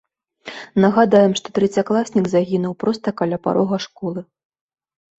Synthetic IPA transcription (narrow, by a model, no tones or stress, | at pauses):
nɐɣad̪ajɛmʂt̪ɔt̪ɾɛt͡sʲaklˠasʲnʲiɡzaɣʲinuwpɾɔst̪ɐkalʲapa̰ɾʔɔɣɐʂkɔlˠɨ